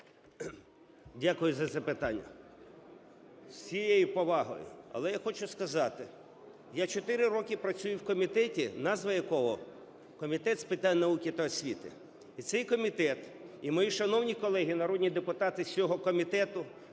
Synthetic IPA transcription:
dʲakʊjʊzɐzɐpɪt̪ɑnʲːɐ̰ | sʲijejʊpɔʋɑɦɔ̰jʊ̰ɐ̰lˠɛjaxɔt͡ʃʊskɐzɑt̪ɪ | jat͡ʃɔt̪ɪɾɪɾɔkʲɪpɾɐt͡sʲujʊwkɔmʲit̪ɛtʲinɑzʋɐjɐkɔɦɔ | kɔmʲit̪ɛt̪spɪt̪anʲnɐukʲɪt̪ɐːsʲʋʲit̪ɪ̰ | it̪sɛjkɔmʲit̪ɛt̪imɔjiʃɐnɔwnʲikɔlˠɛɦʲinɐɾɔd̪ʲnʲid̪epʊt̪ɑt̪ɪsʲɔɦɔkɔmʲit̪ɛt̪ʊ

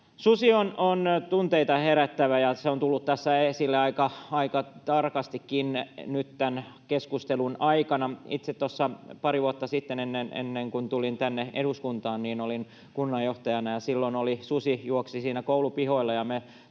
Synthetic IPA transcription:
susionont̪unt̪eit̪ɑheɾæt̪ːæʋæjɑseont̪ulːut̪tæsːæesilːeɑikɑɑikɑt̪ɑrkɑst̪ikːinnyt̪t̪æn | keskust̪elunɑikɑnɑit̪set̪t̪ːosːɑpɑɾiʋuot̪ːɑsit̪ːenenːenḛnːeŋkunt̪ulint̪ænːeḛɾuskunt̪ɑːnniːnolin | kunːɑjjoht̪ɑjɑnɑjɑsilːonolisusijuoksisiːnækoulupihoilːɑjɑme

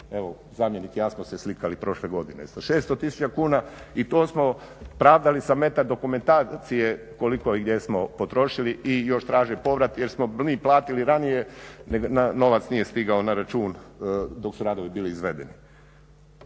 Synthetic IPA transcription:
e̞ʋo | zaːmjenik̪ijaːsmose̞slikalipɾo̞ʃleɡo̞d̪inḛsaʃeːst̪ot̪isu̥t͡ʃakuːnait̪oːsmo̞ | pɾaːʋd̪alisame̞t̪aɾd̪o̞kume̞nt̪aːt̪sije̞ | ko̞likoiɡd̪je̞smo̞pot̪ɾo̞ʃiliijo̞ʃt̪ɾaːʒepo̞ʋɾat̪jeɾsmoiːplˠaːt̪iliɾanije̞neɡnano̞ʋat̪snije̞st̪iɡaonaɾat͡ʃuːnd̪o̞ksuɾaːd̪o̞ʋibiːliːzʋe̞d̪ḛni

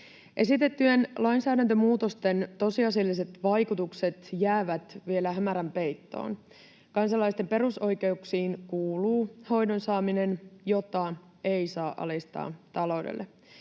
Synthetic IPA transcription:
ʔe̞sit̪e̞t̪ːyenlɑjnsæːdænt̪ømuːt̪o̞st̪e̞nt̪o̞siɑselːise̞t̪ʋɑjkut̪ukse̞t̪jæːʋæt̪ʋie̞læɦæmæɾæmpe̞jt̪ːo̞̰ːn | kɑnsɑlɑjst̪e̞mpe̞ɾuso̞jke̞uksiːnkuːluːho̞jdonsɑːmine̞njo̞t̪ɑ | ejsɑːʔɑ̰list̪ɑ̰ːt̪ɑlo̞wdḛlːe

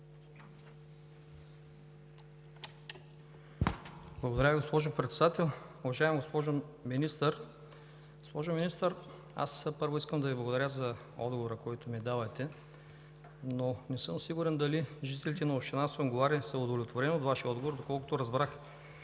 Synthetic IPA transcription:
blˠɐɡod̪ɐɾʲəviɡospɔʒopɾɛt̪sɛd̪at̪ɛlˠʊvɐʒaɛmɡospɔʒominist̪əɾ | ɡospɔʒominist̪əɾ | a̰spɤɾvoiskəmd̪ɐviblˠɐɡod̪ɐɾʲəzɐ | ɔ̰d̪ɡovoɾəkɔjt̪omid̪avɐjt̪ɛ | nonɛsɤmosiɡuɾɛnd̪ɐliʒit̪ɛlit̪ɛnɐoʃt̪ʲinasooɡovaɾʲəsɐʊd̪ovlʲɛt̪voɾɛnot̪vaʃiəɔd̪ɡovoɾd̪okɔlˠkʊt̪oɾɐzbɾax

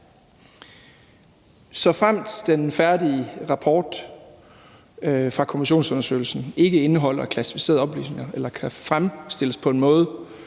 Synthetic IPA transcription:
sɒ̽fʁam̰d̥d̥enfæɐdiəʁɑ̈pʰɒːd̥ | fʁɑ̈kʰo̝miɕo̝̰ːnsɔ̽nɐsø̰ːɪl̩sn̩e̝ɡ̥əe̝nəɦɒ̽l̰ɐkʰlæsi̥fise̝̰ɐðˠɒ̽b̥ly̰ːsne̝ŋɐelɐkʰæfʁamsd̥e̝l̰əspʰɒ̽e̝nmɔ̽ːð̞ˠ

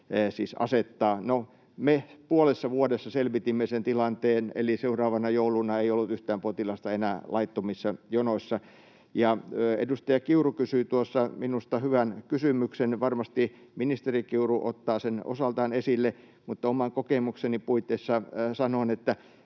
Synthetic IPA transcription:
siːsɑ̰set̪ːɑːno | mepuolesːɑʋuodesːɑselʋit̪imːesent̪ilɑnt̪eːnḛliseurɑːʋɑnɑjoulunɑeiolːut̪yht̪æːmpot̪ilɑst̪ɑenæːlʔɑit̪ːomisːɑjonosːɑ | jɑḛdust̪ɑjɑkiurukysyːt̪uosːɑminust̪ɑhyʋænkysymyksenʋɑrmɑst̪i | minist̪erikiuruʔo̰t̪ːɑːseno̰sɑlt̪ɑːnesilːe | mut̪ːɑomɑŋkokemuksenipuit̪ːeisːɑsɑnoːnet̪ːæ

